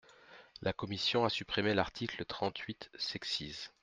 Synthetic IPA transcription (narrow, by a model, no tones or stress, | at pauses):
lʔakɔmisjɔ̃asypχimelaʁt̪ʰiklət̪χɑ̃t̪ʰɥit̪sɛksiz